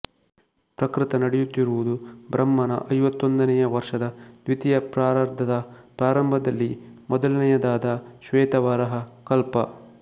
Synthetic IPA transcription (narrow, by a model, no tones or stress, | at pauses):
pɾɐkɾɪt̪ɐnɐɽɛjut̪ːiɾuʋud̪ubɾɐmːɐnɐ̰ʔɐjʋɐt̪ːond̪ɐnɛjɐʋɐɾʂɐd̪ɐd̪ʋit̪ijɐpɾaːɾɐɾd̪ʱɐd̪ɐpɾaːɾɐmbʱɐd̪ɐlːimɔd̪ɐlɐnɛjɐd̪aːd̪ɐʃʋɛːt̪ɐʋɐɾɐɦɐkɐlpɐ